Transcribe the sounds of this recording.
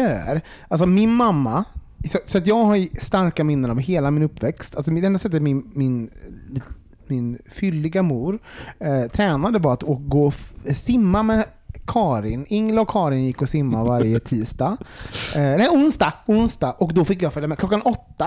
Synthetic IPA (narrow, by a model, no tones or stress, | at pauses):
œːɾ | ʔals̬ɔmɪnmamːa | sɔsɔat̪̬jɑːɡhaɾst̪aɾkamɪnːənavɦeːlamɪnɵpːvɛkst̪als̬ɔmd̪ɛɛnd̪asɛt̪ːət̪mɪnmɪn | mɪnfʏlːɪɡamuːɾ | t̪ʰɾɛːnad̪əvaɾat̪okɡoːsɪmːamɛ | kʰɑːɾɪnɪŋːlaɔkʰːɑːɾɪnjɪkːɔsɪmːavaɾjət̪ʰiːst̪ɑː | nɛʊnsd̪ɑʊnsd̪aʔɔkd̪ɔfɪkːjɑːfœljamɛːklɔkːanʔɔt̪ːa